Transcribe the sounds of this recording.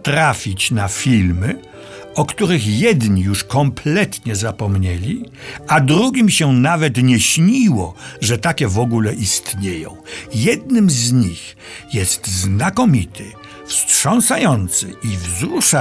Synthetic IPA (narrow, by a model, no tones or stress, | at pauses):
t̪ɾafʲit͡ɕnafʲilmɘ | ɔkt̪uɾɘxjɛd̪ɲijuʂkɔmplɛt̪ɲɛzapɔmɲɛlʲiad̪ɾuɡʲimɕɛnavɛt̪ɲɛɕɲiwɔʐɛt̪akʲɛvɔɡulɛʔist̪ɲejɔ̰̃w̃jɛd̪nɘmzɲix | jɛst̪znakɔmʲit̪ʰɪ | fstʂɔ̃ñsajɔnt̪sɨʔivzɾuʂa